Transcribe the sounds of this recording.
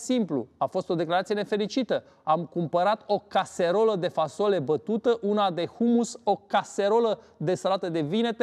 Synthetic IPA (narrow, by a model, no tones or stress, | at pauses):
simplṵafo̞st̪o̞d̪e̞klaɾat̪sije̞nefe̞lit͡ʃit̪ə | amkumpəɾat̪o̞kase̞ɾo̞ləd̪e̞fasole̞bət̪ut̪əʔunad̪e̞humuso̞kase̞ɾo̞ləd̪e̞səlat̪əd̪e̞vine̞t̪